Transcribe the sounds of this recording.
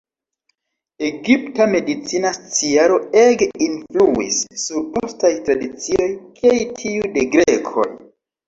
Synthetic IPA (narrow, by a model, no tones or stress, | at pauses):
e̞ɡiptame̞dit͡sinast͡siaɾo̞eɡeinfluḭsːuɾpostajtɾadit͡sio̞jkejtʰiude̞ɡɾe̞kʰo̞̰j